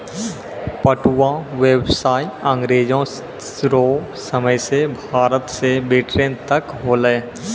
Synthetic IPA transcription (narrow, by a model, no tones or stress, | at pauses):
pəʈuãʋeːbsaːiãːŋɡɾeːd͡ʒõ | ɾo | səməjsebʱaːɾət̪sebeʈɾẽːnt̪əkɦoːlə